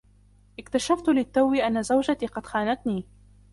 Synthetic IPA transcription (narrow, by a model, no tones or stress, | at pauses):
ʔɪkt̪aʃaft̪lɪt̪ːawiːʔanːazawd͡ʒat̪iːqɑd̪xaːnat̪niː